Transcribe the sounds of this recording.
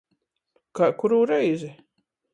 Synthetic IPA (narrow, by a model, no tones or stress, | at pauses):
kakuɾuːɾɛjzi